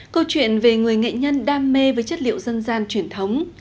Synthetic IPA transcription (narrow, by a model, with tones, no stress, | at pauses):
kə˧wt͡ɕwḭ˧˨ənve˨˩ŋɨ˨˩əjŋḛ˧˨ɲə˧nɗaː˧mːe˧vəː˨˦jt͡ɕə˦˥t̚lḭ˧˨əwzə˧nzaː˧nt͡ɕwi˧˩ənt̪ʰə˨˦wŋ͡m